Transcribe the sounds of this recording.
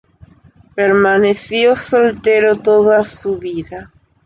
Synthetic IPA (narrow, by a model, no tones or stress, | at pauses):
peɾmaneθjosolt̪eɾot̪oðasuβiða